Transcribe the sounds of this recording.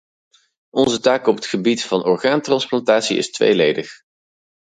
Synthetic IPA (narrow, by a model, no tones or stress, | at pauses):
ɔnzətaːkɔpətχəbitfɑnʔɔɹχaːntrɑnsplɑntaːtsiɪ̰stʋḛjlejdəχ